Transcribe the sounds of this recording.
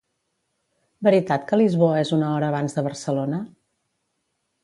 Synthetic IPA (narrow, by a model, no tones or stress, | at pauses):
bəɾit̪at̪kəlizβoəezunəɔɾəːβanzðəβəɾsəlonə